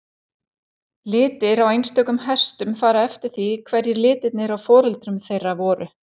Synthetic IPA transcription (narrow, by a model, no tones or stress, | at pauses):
lɪːt̪ɪɾawejnst̪œːkʏmhɛst̪ʏmfaːɾaɛft̪ɪɾ̥θikʰvɛɾjɪɾlɪːt̪ɪt̪nɪɾawfɔːɾʏlt̪ɾʏmθejrːavɔːɾʏ